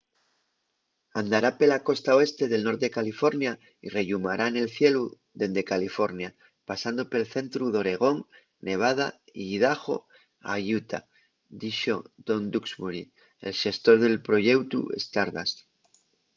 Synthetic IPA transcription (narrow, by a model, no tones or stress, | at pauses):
and̪aɾapelako̞st̪aoe̞st̪e̞ð̞e̞lno̞ɾt̪ekalifo̞ɾnja | ire̞ʎumaɾʔaene̞lθje̞lu | ðe̞nd̪e̞kalifo̞ɾnja | pasand̪o̞pelθe̞nt̪ɾuðo̞ɾe̞ɣ̞o̞ŋ | ne̞β̞að̞a̰iðaxo̞̰ | a̰jut̪ʰa̰ | d̪iʃod̪̥o̞nd̪uksβuɾḭ | ḛlʃe̞st̪o̞ɾðe̞lpɾo̞ʝe̞wt̪ṵḛst̪aɾða̰s